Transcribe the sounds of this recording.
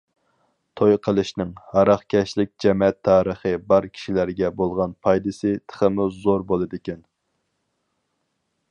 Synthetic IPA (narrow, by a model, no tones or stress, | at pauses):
t̪ʰojqʰəlˠɨʃnɪŋhɑɾɑχkʲʰɛʃlɪk̚ʲd͡ʒɛmɛt̪ʰːɑːɾəχɨbɑɾkʲʰi̥ʃilæɾɡʲɛbolˠʁɑnpʰɑjd̪ɨsɨt̪ʰə̥χəmuzoɾbolˠɨd̪ɪkʲɛn